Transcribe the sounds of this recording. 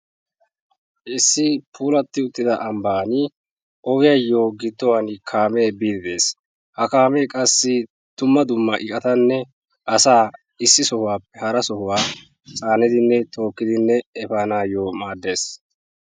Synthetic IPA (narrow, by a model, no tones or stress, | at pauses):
ʔɪsːɪpʰuːlɐt̪ːɪʊt̪ʼːɪd̪ɐʔɐmbaːnɪ | ʔɔɡɪjɐjːo̞ːɡɪd̪ːɔwɐnɪkʰaːmeːbiːd̪ɪd̪e̞ːs | hɐkaːmeːkʼɐsːɪ | t̪ʊmːɐd̪ʊmːɐʔɪkʼɐt̪ɐnːɛ | ʔɐsaː | ɪsːɪsɔhʊwaːpːɛhɐɾɐsɔhʊwaː | t͡sʼaːnɪd̪ɪnːɛt̪ʰo̞ːkːɪd̪ɪnːɛɛfaːnaːjoːmaːd̪ːe̞ːs